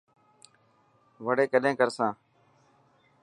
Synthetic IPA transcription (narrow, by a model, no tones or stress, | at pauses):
ʋəɽeːkəɗẽːkəɾsãː